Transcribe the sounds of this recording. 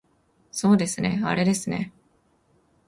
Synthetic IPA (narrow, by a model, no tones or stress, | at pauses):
so̞ːd̪e̞sɨne̞̰a̰ɾe̞d̪e̞sɨne̞̰